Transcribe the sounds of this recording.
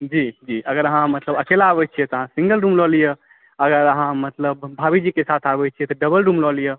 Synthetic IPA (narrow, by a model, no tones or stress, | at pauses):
d͡ʒid͡ʒiəɡəɾəɦãmət̪ləbəkelabɛt͡ʃʰijɛt̪ɔəɦãsĩŋɡəlɾumlɔlije | əɡəɾəɦãmət̪ləbːʱabid͡ʒikesat̪ʰabɛt͡ʃʰijɛt̪ɔɖəbəlɾumlɔlije